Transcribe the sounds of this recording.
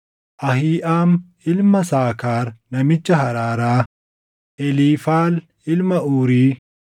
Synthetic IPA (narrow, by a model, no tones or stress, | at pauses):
ʔɐɦiːʔaːmʔɪlmɐsaːkaːɾnɐmɪt͡ʃːɐɦɐɾaːɾaː | ʔɛliːfaːl | ɪlmɐʔuːɾiː